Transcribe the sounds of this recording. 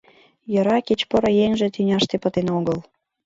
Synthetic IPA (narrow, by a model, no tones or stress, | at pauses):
jɤ̆ɾɑkit͡ɕpɤ̆ɾɤ̆jeŋʒĕt̪ynʲɑʃt̪epə̆t̪enoɣəl